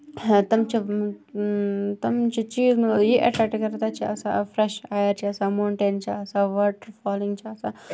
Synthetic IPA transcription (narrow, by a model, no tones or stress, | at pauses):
t̪ɐmt͡ʃʰi | t̪ɐmt͡ʃʰit͡ʃiːzmjeʔɐʈɾɐʈkɐɾt̪aːt͡ʃʰiɐsa̰fɾeʃaːjɐɾt͡ʃʰiɐsamoːɳʈeːnt͡ʃʰiɐsaʋɐːʈfaːliŋɡt͡ʃʰiɐsa